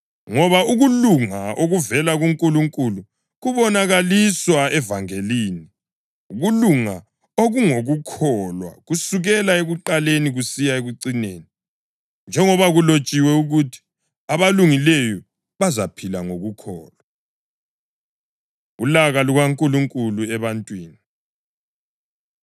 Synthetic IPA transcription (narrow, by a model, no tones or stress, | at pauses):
ŋɔβauɣuluŋaʔoɣuvɛlaɣuŋkʼuluŋkʼulu | ɣuβɔnaɣaliswaɛvaŋeliːni | uɣuluŋa | oɣuŋoɣukʰɔlwa̰ɣusuɣɛlaeɣuǃaleniɣusijaeɣuǀineːni | nd͡ʒʱɛŋɔβaɣulot͡ʃʼiwɛuɣutʰi̥ | aβaluŋilejɔ | βazapʰilaŋoɣukʰɔːlwa | ulaɣaluɣaŋkʼuluŋkʼuluɛβantʼwiːni